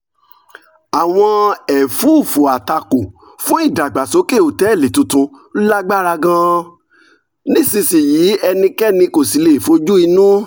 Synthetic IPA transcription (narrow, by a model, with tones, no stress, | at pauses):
a˨w̃ɔ̃˧ɛ˨fu˨˦˨fo˨a˨ta˧ko˨ | fũ˦i˦˨da˨ɡ͡ba˨so˨˦ke˦˨o˨tɛ˨˦˨le˨tũ˧tũ˧˦ | la˦ɡ͡ba˦ɾa˧ɡã˦˧ | nĩ˦˨sĩ˧si˨jiː˨˦ɛ˧nĩ˧kɛ˦nĩ˧ko˨si˨le˨fo˧˦d͡ʒu˦i˧nũ˦